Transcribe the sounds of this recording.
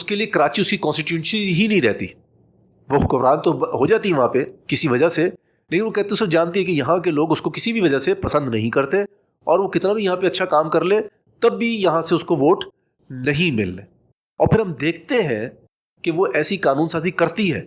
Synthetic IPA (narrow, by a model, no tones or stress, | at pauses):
ʊskeliekɐɾaːt͡ʃiʊskikɔ̃ːnsʈɪʈjuʃĩɦinɐɦĩɾɛɦt̪ḭ | ʋoxʊkʊʋɾaːnt̪oɦod͡ʒaːt̪iɦɛ̃ʋɐɦãpekɪsiʋɐd͡ʒase | leːkɪnʋokɛɦt̪ẽoʊsɐd͡ʒaːnt̪̬iɦɛ̃kijɐɦãk̬eloːɡʊskokɪsibʱiʋɐd͡ʒasepɐsə̃nd̪nɐɦĩkɐɾt̪e | ɔːɾʋokɪt̪nabʱijɐɦãpeɐtːʃʰakaːmkɐɾlẽ | t̪ɐbːijɐɦãseʊskoʋoːʈ | nɐɦĩmɪ̰lːeː | ɔːɾpʰɪɾɦɐmd̪eːk̚ʰt̪eɦɛ̃ | keʋoʔɛːsikaːnuːnsaːzikɐɾt̪iɦɛ̰ː